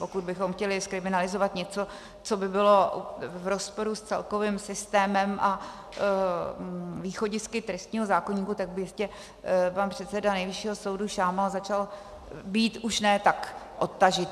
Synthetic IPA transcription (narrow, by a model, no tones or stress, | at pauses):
pokud̪̚bɪxo̞mxcɛlɪskɾɪmɪnalɪzo̞vat̪ɲɛt͡so | t͡so̞bɪbɪlo̞vɾo̞spo̞ɾust͡sɛ̰lko̞vɪmsɪst̪ɛːmɛmʔa | viːxo̞ɟɪskɪt̪ɾɛst̪ɲiːɦo̞zaːkoɲiːkut̪aɡ̚bɪjɪscɛ | panpr̝̥ɛt̪sɛdanɛjvɪʃiːɦo̞so̞wduʃaːmalzat͡ʃal | biːt̪ʔuʃnɛːt̪akʔot̪ːaʒɪt̪